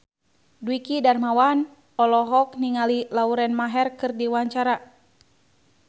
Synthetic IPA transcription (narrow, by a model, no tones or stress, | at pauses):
dwikidarmawan | ɔlɔɦɔk̚niŋalilauɾɛnmaɦɛrkɨrdiwaɲt͡ʃaɾa